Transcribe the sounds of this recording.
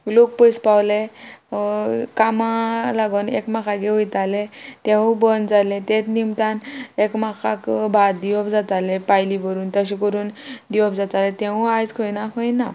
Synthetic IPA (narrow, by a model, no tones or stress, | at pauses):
lok̚pəjspawle | kamalaɡənḛkmakʰaɡeʋujt̪alẽt̪ẽũbənd͡zalẽt̪ẽt̪nimt̪anekmakʰakbʱad̪iʋɔpd͡zat̪alepajliʋəɾuːnt̪əɕikəɾuːnd̪iɔbd͡zat̪alẽt̪ẽũajt͡skʰojnakʰəjna